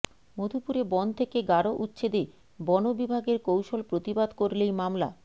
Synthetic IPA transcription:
mod̪ʱupuɾebɔn̚t̪ʰekeɡaɾoʔut̪ːɕed̪e | bɔnobibʱaɡeɾkowʃolpɾot̪ibad̪koɾlejmamla̰

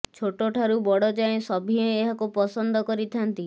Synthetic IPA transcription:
t͡ʃʰoʈoʈʰaɾubɔɽɔd͡ʒaẽsɔbʱieeɦakupɔsɔnd̪ɔkɔɾit̪ʰant̪i

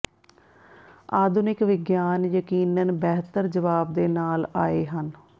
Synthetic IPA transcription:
aːd̪ʊnɪkʋɪɡjaːnjəkiːnənbɛɦt̪əɾd͡ʒəʋaːb̚d̪eːnaːlaːeːɦən

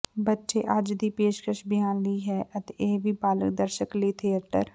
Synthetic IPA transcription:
bətːʃeʔaːd͡ʒd̪iːpeːʃkɾəʃbɪjãːnliɦɛːʔət̪eʔeːbʱiːbaːlə̰kd̪əɾʃəkliːt̪ʰiəʈə̰ɾ

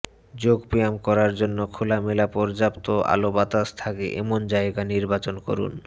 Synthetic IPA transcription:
d͡ʑoɡpijamkɔɾaɾd͡ʑonːokʰulamelapɔɾd͡ʑapt̪oa̰lobat̪ast̪ʰakḛʔḛmond͡ʑaeɡaniɾbat͡ɕonko̰ɾṵn

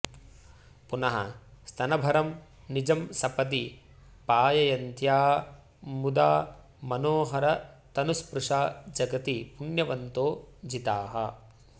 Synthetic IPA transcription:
punɐɦɐ̰st̪ʰɐnɐbʱɐɾɐm | nid͡ʒɐmsɐpɐt̪̬i | paːjɐjɐnt̪jaː | mud̪aː | mɐnoːɦɐɾɐt̪ɐnuspɾuʂaːd͡ʒɐɡɐt̪ipunjɐʋɐnt̪oːd͡ʒit̪aːɦɐ̰

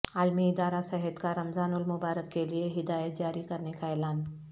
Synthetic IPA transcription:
aːlmiɪd̪aːɾasɛɦɛt̪kaɾɐmzaːnʊlmʊbaːɾəkːelieɦɪd̪aːjət̪̚d͡ʒaːɾikɐɾnekaɛːlaːn

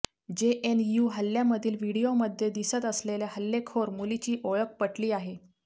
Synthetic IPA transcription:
d͡ʑeʔenjuɦəlːjaməd̪ʱiːlʋiɽijoməd̪ʱːjed̪isət̪əsleljaɦəlːekʰoɾmulit͡ɕiːʔoɭək̚pəʈliːaɦe

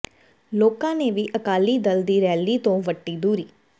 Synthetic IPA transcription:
loːkãːneːʋiːʔəkaːliːd̪əld̪iːɾɛːliːt̪õːʋəʈːiːd̪uːɾiː

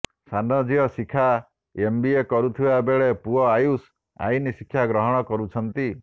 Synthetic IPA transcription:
sanɔd͡ʒiɔsikʰa | embiekɔɾut̪ʰibabeɭepuɔajus | a̰jnisikʰːjaɡɾɔɦɔɽ̃ɔkɔɾut͡ʃʰɔnt̪i

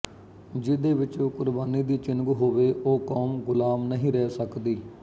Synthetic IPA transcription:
d͡ʒɪd̪eːʋɪt͡ʃoːkʊɾbaːniːd̪iːt͡ʃɪnɡuːɦoːʋeːʔoːkoːmɡʊlaːmnəɦĩːɾɛːsəkd̪iː

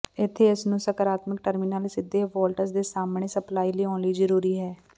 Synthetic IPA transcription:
ɪt̪ʰːeːɪsnũːsəkəɾaːt̪mɪkʈəɾminaːlsɪd̪eːʋɔːlʈəɾsd̪eːsaːmɳeːsəplaːiːliːɔ̃ːnliːzəɾuːɾiːɦɛː

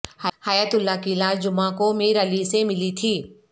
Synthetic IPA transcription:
hhajat̪ʊlːakilaːd͡ʒʊmãkomẽɾɐlisemɪlit̪ʰiː

